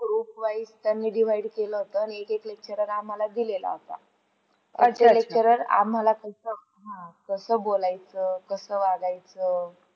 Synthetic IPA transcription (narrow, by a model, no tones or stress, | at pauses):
ɡɾupʋaist̪janːiːɖiʋ̤aiɖkeləɦot̪əaniekeklek̚t͡ɕəɾəɾam̤alad̪ilela̰ɦot̪a̰ | ə̰elek̚t͡ɕəɾəɾa̰m̤alakəsə | ɦãkəsəːbolajt͡səkəsəːʋaɡajt͡səː